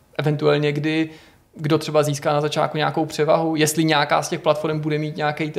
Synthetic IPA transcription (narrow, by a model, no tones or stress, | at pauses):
ʔɛvɛnt̪uɛlɲɛɡdɪ | ɡdot̪r̝̥ɛbaziːskaːnazat͡ʃa̰ːt̪kuɲaakowpr̥ɛva̰ɦujɛst̪lɪɲɛaka̰ːscɛxplat̪fo̞ɾɛmbudɛmiːt̪ɲaakɛjt̪